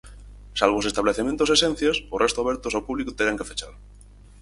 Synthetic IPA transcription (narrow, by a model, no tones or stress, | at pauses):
salβ̞osest̪aβleθemẽnt̪osesẽn̟θjasorest̪oaβeɾt̪osawpuβlikut̪eɾaŋkefet͡ʃaɾ